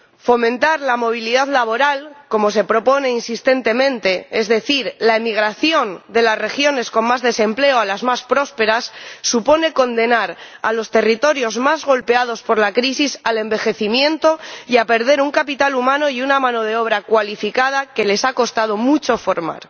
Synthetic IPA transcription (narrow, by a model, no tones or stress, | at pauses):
fo̞mẽ̞nt̪aɾlamo̞β̞iliðaðlaβo̞ɾalko̞mo̞se̞pɾo̞po̞ne̞insist̪e̞nt̪e̞mẽ̞nt̪e̞ezðe̞θiɾlaemiɣ̞ɾaθjo̞nd̪e̞lasre̞xjo̞ne̞sko̞nmazðe̞se̞mple̞oalazmaspɾo̞spe̞ɾasːupo̞ne̞ko̞nd̪e̞naɾa̰lo̞st̪e̞rit̪o̞ɾjo̞zmazɣo̞lpe̞að̞o̞spo̞ɾlakɾisisale̞mbe̞xe̞θimjẽ̞nt̪o̞iape̞ɾð̞e̞ɾuŋkapit̪alumãno̞junamãno̞ð̞e̞o̞β̞ɾakwalifikað̞ake̞le̞sako̞st̪að̞o̞mut͡ʃo̞fo̞ɾma̰ɾ